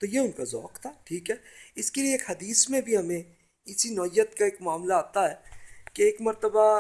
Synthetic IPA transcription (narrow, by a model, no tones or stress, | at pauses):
t̪ojeʊnkazɔ̰ːkt̪ʰaʈʰiːkɦɛːɪskelieːkɦɐd̪iːsmẽbʱiɦɐmẽ | ɪsinɔːɪjːət̪kaeːkmaːmlaaːt̪aɦɛːkeːkmɐɾt̪əba